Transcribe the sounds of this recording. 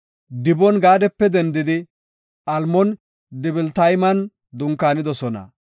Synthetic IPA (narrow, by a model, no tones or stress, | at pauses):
d̪ɪbɔnɡaːd̪ɛpːɛd̪ɛnd̪ɪd̪ɪ | ʔɐlmɔn | d̪ɪbɪlt̪ɐjmɐn | d̪ʊŋkaːnɪd̪ɔsɔnɐ̰